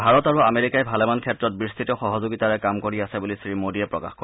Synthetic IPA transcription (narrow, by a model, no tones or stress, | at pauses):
bʱaɹɔtaɹuameɹikajbʱalɛmankʰɛtɹɔt̚bɹist̪ʰitɔxɔɦɔzoɡitaɹɛkamkoɹiasɛbulisɹimodiɛpɹɔ̰ka̰xkɔ